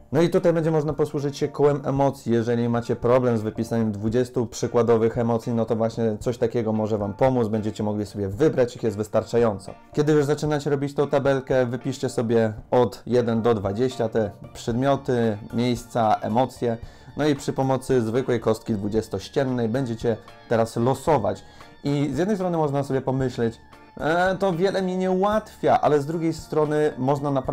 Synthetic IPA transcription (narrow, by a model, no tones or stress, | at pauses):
nɔit̪ut̪ajbɛɲd͡ʑɛmɔʐnapɔswuʐɘt͡ɕɕɛkɔwɛmɛmɔt̪sʲjijɛʐɛlʲimat͡ɕɛpɾɔblɛmzvɘpʲisaɲɛmd̪vud͡ʑɛst̪upʂɘkwad̪ɔvɘxɛmɔt̪sʲjinɔt̪ɔvwaɕɲɛt̪sɔɕt̪akʲɛɡɔmɔʐɛvampɔmud̪zbɛɲd͡ʑɛt͡ɕɛmɔɡlʲisɔbʲjɛvɘbɾat͡ɕixjɛst̪vɘst̪aɾt͡ʂajɔnt̪sɔ̰kʲɛd̪ɘjuʐzat͡ʂɘnat͡ɕɛɾɔbʲit͡ɕt̪ɔ̃w̃t̪abɛlkɛvɘpʲiʂt͡ɕɛsɔbʲjɛɔt̪jɛd̪ɛnd̪ɔd̪vad͡ʑeɕt͡ɕat̪ɛpʂɛd̪mʲjɔt̪ɘmʲjejst̪saʔɛ̰mɔt̪sʲjɛnɔipʂɘpɔmɔt̪sɘzvɘkwɛjkɔst̪̚kʲid̪vud͡ʑɛst̪ɔɕt͡ɕɛnːɛjbɛɲd͡ʑɛt͡ɕɛt̪ɛɾaslɔsɔva̰t͡ɕ | izʲjɛd̪nɛjst̪ɾɔnɘmɔʐnasɔbʲjɛpɔmɘɕlɛt͡ɕ | t̪ɔvʲjɛlɛmʲiɲɛuwat̪fʲjaʔa̰lɛzd̪ɾuɡʲejst̪ɾɔnɘmɔʐnanapɾ